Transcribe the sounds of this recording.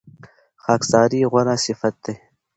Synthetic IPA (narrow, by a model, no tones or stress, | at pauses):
xaːksɑːɾiɣɐɾaːsifɐt̪̚d̪ej